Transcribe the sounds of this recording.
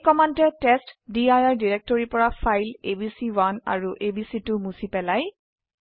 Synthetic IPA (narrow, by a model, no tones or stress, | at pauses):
kɔmantɛtɛstdiajaɹdiɹɛk̚tɔɹipɔɹafʰajlebisiwana̰ɹuʔebisitʊmusipɛlaj